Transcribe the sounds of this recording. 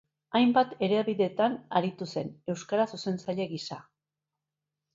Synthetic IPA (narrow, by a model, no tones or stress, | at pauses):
ajmbat̪e̞ɾeβiðe̞t̪anaɾit̪use̞ne̞wskaɾasuse̞nt͡saʎe̞ɣisa